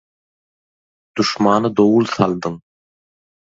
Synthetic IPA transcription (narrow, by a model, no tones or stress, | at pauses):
d̪̥uʃmɑːnɯd̪owulˠθɑlˠd̪ɯŋ